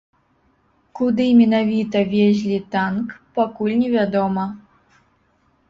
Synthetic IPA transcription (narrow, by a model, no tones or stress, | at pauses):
kud̪ɨmʲɛnavʲit̪ɐvʲezʲlʲit̪ankpakulʲnʲɛvʲad̪ɔmɐ